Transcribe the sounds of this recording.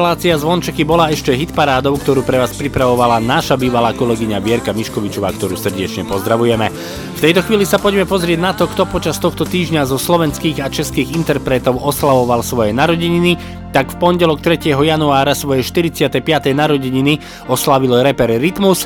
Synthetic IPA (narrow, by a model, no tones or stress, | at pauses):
laːt͡siazʋɔnt͡ʃɛkibɔlaɛʃcɛɦit̪paɾaːd̪ɔʊkt̪ɔɾuːpɾɛʋaːspɾipɾaʋɔʋalanaʃabiːʋalaːkɔlɛɡiɲabɪɛɾkamiʃkɔʋit͡ʃɔʋaːkt̪ɔɾuːsr̩ɟɛt͡ʃɲɛpɔzd̪ɾaʋujɛmɛ | ft̪ɛjt̪ɔxʋiːlisapɔɟmɛpɔzɾɪɛɟnat̪ɔkt̪ɔpɔt͡ʃast̪ɔxt̪ɔt̪iːʒɲazɔslɔʋɛnskiːɣat͡ʃɛskiːɣint̪ɛɾpɾɛt̪ɔʊɔslaʋɔʋalsʋɔjɛnaɾɔɟiɲini | t̪akfpɔnɟɛlɔk̚t̪ɾɛcɪɛɦɔjanuaːɾasʋɔjɛʃt̪iɾit͡sɪat̪ɛjpɪat̪ɛjnaɾɔɟiɲini | ɔslaʋilɔɾɛpɛɾːit̪mus